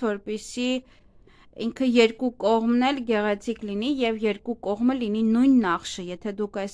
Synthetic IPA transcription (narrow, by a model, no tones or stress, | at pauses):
vɔɾpɛsi | iŋkʰəjɛɾkukɔʁmnɛlɡɛʁɛt͡sʰikʰlinijɛvjɛɾkukɔʁməlininujnːɑχʃəjɛt̪ʰɛd̪ukʰɑjs